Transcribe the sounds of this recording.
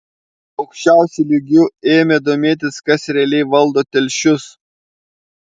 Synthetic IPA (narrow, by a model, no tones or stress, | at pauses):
ɐʊkʃʲt͡ʃʲæˑʊsʲɛlʲiɡʲʊeːmʲed̪oːmʲeːt̪ʲɪskɐsɾʲɛlʲɛɪʋɐlˠd̪oːt̪ʲɛlʲʃʲʊs